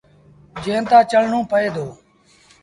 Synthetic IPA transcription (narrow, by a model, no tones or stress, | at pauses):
d͡ʒẽːnt̪ãːt͡ʃəl̤ɳõːpəeːd̪ʱoː